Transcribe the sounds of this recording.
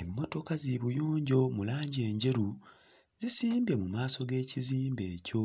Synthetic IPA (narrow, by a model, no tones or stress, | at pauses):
emːo̞to̞kaziβujoːɲɟo̞mulaːɲɟie̞ːɲɟe̞ɾu | zisiːmbe̞mumaːso̞ɡe̞ːciziːmbe̞ːco̞